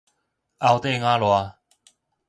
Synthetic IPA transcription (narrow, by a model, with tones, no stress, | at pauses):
a˦wt̪e˥˦˧ŋã˦lwa˧